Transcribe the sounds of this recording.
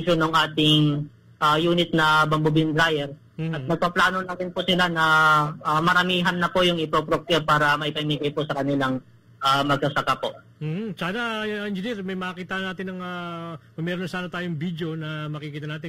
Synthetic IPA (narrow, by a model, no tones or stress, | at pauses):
ʃonoŋʔaːt̪ɪŋ | ʔajuːnɪt̪̚nɐbɐmbʊbɪnd̪ɾajɛɾ | ʔɐt̪̚nɐɡ̚pɐplaːno̞nɐɾɪnpʊsɪlanɐʔamɐɾɐmiːɦɐnːɐpojʊŋɪpɾopɾok̚ɛɾpaːɾɐmɐʔɪpɐɪmiɡɐjpʊsɐkɐnɪlaŋ | ʔaːmɐɡ̚sɐsɐkapo̞ʔ | m̩h̩saːnɐɛnd͡ʒɪniɾmɐjmɐkiːt̪anaːt̪ɪnɐŋɐmɐmɛɾonɐsaːnɐt̪aːjoŋbid̪jo̞nɐmɐkikiːt̪ɐnaːt̪ɪn